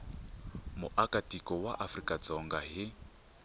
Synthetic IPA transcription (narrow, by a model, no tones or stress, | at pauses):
mʊʔakʼatʼikʼɔwaʔafrikʼad͡zɔŋɡaɦɪ